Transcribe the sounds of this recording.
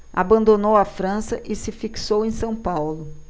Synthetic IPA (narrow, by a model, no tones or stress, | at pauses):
a̰bɐ̃nd̪onowɐfɾɐ̃sɐʔɪsɪfiksowẽj̃sɐ̃w̃pawlʊ